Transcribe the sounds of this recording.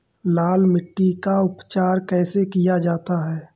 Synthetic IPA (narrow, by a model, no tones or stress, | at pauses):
laːlmɪʈːikaʊpt͡ʃaːɾkɛːsekijad͡ʒaːt̪aɦɛː